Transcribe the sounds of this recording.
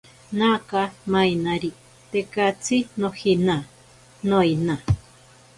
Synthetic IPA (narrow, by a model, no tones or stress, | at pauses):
nakamajnaɾi | t̪ekat͡sʰinõhinã | noina